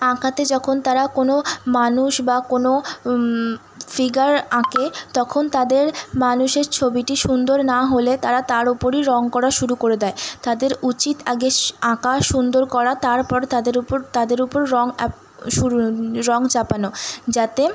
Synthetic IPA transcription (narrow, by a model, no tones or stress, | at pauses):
ãkʰat̪ed͡ʑɔkʰont̪aɾakonomanuʃbakono | fiɡaɾãket̪ɔkʰont̪ad̪eɾmanuʃeɾt͡ɕʰobiʈiʃund̪oɾnaɦolet̪aɾat̪aɾopoɾiɾɔŋkɔɾaʃuɾukoɾed̪ɛet̪ad̪eɾut͡ɕit̪aɡeãkaʃund̪oɾkɔɾat̪aɾpɔɾt̪ad̪eɾupoɾt̪ad̪eɾupoɾːɔŋ | ʃuɾɾɔŋt͡ɕapanod͡ʑat̪e